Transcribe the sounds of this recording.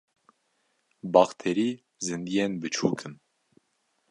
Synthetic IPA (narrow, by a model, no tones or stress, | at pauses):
bɑxt̪ʰeɾiː | zɨnd̪ijenbɨt͡ʃʰuːkʰɨn